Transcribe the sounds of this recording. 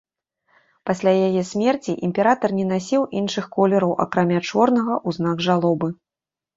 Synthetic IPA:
pasʲlʲajajɛsʲmʲɛrt͡sʲiʔimʲpʲɛɾat̪ɐrnʲɛn̪asʲiwʔinʂɨxkɔlʲɛɾɐwʔɐ̰kɾamʲat͡ʂɔrnɐɣɐʔuzn̪aɡʐalˠɔbɨ

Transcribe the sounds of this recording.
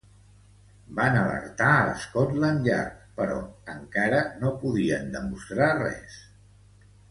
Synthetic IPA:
banələ̰ɾt̪aələ̰skɔtlənʎa̰ɾkpəɾɔ̰əŋkaɾənopuðiənd̪əmust̪ɾarɛ̰s

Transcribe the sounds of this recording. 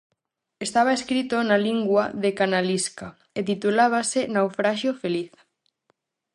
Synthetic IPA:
est̪aβ̞aeskɾit̪onaliŋɡwaðekanaliska | et̪it̪ulaβ̞asenawfɾaʃjofeliθ

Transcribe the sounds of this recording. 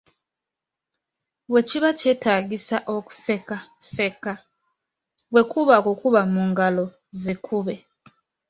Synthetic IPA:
we̞ciβacetaːɡisaʔoku̥sekase̞ka | we̞kuβakokuβamuːŋɡalo̞ | zekʰuβe̞

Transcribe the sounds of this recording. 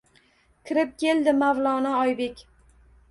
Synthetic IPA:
kʲʰɪɾɪp̚kʲʰe̞ld̪ɪmavlˠɒnɪɒjbe̞kʲ

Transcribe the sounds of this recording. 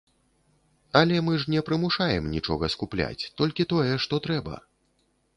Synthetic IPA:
ɐlʲɛmɨʐnʲɛpɾɨmuʂajɛmnʲit͡ʂɔ̰ɣɐskuplʲa̰t͡sʲt̪ɔlʲkʲit̪ɔjɛʂt̪ɔt̪ɾɛbɐ̰

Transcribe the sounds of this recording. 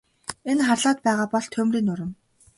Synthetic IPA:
enχarɮaːt̪̚pæːʁaːpɔɮt̪ʰɵmriːnʊɾə̆m

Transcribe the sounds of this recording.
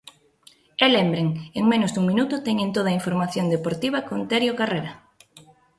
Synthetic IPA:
elembɾeŋeŋmẽnʊzd̪uŋmĩnut̪ʊt̪ɛɲẽnt̪oðɐiɱfoɾmaθjond̪epoɾt̪iβ̞ɐkont̪eɾjokareɾɐ

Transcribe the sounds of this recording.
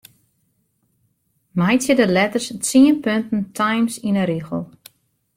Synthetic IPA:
mɛjt͡sɪdəlɛtərst͡siənpøntn̩tʰajmsinəɾixəlˠ

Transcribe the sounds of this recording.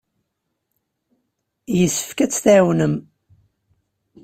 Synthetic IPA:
jəsːə̥fkæt͡sːθæwnəm

